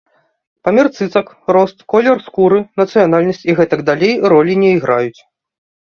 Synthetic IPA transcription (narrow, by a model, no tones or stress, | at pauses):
pamʲɛrt̪sɨt̪sɐk | rɔst̪kɔlʲɛrskuɾɨnɐt̪sɨjanalʲnɐsʲt͡sʲiɣɛt̪ɐɡd̪alʲejɾɔlʲinʲɛiɣɾajut͡sʲ